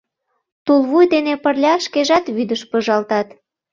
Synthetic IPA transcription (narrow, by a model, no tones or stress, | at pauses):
t̪ulˠβujd̪enepərlʲɑʃkeʒɑt̪βyd̪əʃpəʒɑlt̪ɑt̪